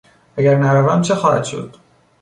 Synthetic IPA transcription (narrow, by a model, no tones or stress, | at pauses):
ʔæɟæɾnæɾævæmt͡ʃʰexɒːhæ̰d̪̥ʃo̞̰d̪̥